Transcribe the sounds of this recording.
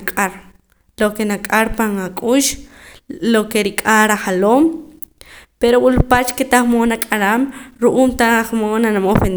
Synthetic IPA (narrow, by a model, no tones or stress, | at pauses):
kʼaɾ | lokenakʼaɾpaŋakʼuːʃ | lokeɾikʼaɾaχaloːm | peɾowulupat͡ʃket̪aχmonakʼaɾaːmɾuʔuːmt̪aχmonanamofen